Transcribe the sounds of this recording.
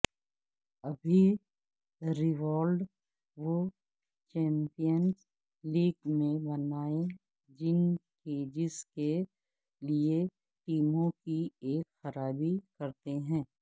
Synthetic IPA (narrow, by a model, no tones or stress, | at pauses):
ɐbʱi | ɾɪʋɔːlɖ | ʋo | t͡ʃɛ̃ːmpijəns | liːɡmẽbɐnaːe | d͡ʒɪnked͡ʒɪske | lie | ʈiːmõkieːkxɐɾaːbikɐɾt̪eɦɛ̃ː